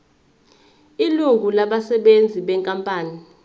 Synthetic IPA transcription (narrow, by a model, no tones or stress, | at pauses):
iluɡʱulaɓasɛɓend͡zʱiɓɛŋkʼampʼaːni